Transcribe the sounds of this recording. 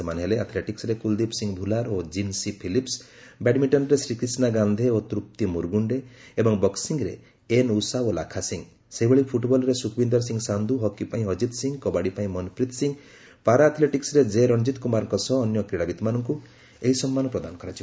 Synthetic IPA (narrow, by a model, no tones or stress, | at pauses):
manɦeleat̪ʰleʈiksɾekuld̪ipsiŋɡbʱulaɾod͡ʒinsipʰilips | bɛʈmiʈɔnɾesɾikɾisnaɡand̪ʱeot̪ɾup̚t̪imuɾɡuɳɖeːbɔŋbɔksiŋɡɾḛ | enusaola̰kʰasiŋ | seɦibʱeɭipʰuʈbɔlɔɾesukʰbind̪ɔɾsiŋɡsand̪ʱuɦɔkipaĩɦɔd͡ʒit̪siŋɡkɔbaɽipaĩmɔnpʰɾit̪siŋ | paɾaːt̪ʰleʈiksɾed͡ʒeɾɔnd͡ʒit̪kumaɾɔŋkɔsɔːnjɔkɾiɽabit̪ɔmanɔŋku | eɦisɔmːanɔpɾɔd̪anɔkɔɾat͡ʃʰi